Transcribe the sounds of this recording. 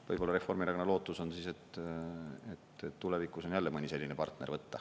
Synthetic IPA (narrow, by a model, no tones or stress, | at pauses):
vɤjb̥o̞lːɑɾe̞fo̞rmiɾɑɡonɑlo̞ːt̪ːˑuso̞nsiːse̞t̪ | et̪tːule̞vikˑuso̞njælːemɤnʲise̞lʲːinepɑrt̪ne̞rvɤt̪ːɑ